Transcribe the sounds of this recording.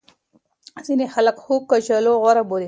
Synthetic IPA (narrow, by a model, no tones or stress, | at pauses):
zinexalakxub̚kat͡ʃaloɣwaɾaboɾe